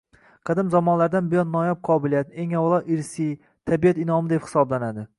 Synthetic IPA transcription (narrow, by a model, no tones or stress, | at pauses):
qʰɨd̪ɪmzɒmɒnlaɾd̪anbɪjɒnːɒjap̚qʰɒbɪlijat̪e̞ŋawlˠɒʔɪɾsi | t̪ʰabijat̪ɪnɒmɪd̪e̞phɪ̥sɒblanad̪ɪ